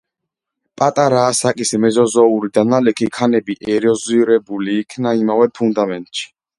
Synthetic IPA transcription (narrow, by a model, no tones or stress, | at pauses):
pʼat̪ʼaɾaːsakʼismɛzɔzɔuɾid̪analɛkʰikʰanɛbiʔɛɾɔziɾɛbuliːkʰnaimavɛpʰund̪amɛnt̪ʼʃi̥